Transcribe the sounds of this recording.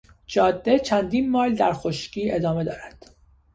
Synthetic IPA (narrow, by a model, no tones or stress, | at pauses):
d͡ʒɒːd̪ːe̞t͡ʃʰænd̪iːnmɒːld̪æɾxoʃciːe̞d̪ɒːme̞d̪ɒ̰ːɾæd̪̥